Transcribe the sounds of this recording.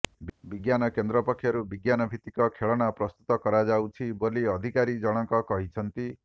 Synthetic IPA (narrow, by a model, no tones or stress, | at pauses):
bbiɡjanɔkend̪ɾɔpɔkʰːjɔɾubiɡjanɔbʱit̪ikɔkʰeɭɔɽ̃apɾɔst̪ut̪ɔkɔɾad͡ʒawt͡ʃʰiboliɔd̪ʱikaɾid͡ʒɔɽ̃ɔŋkɔkɔɦit͡ʃʰɔnt̪i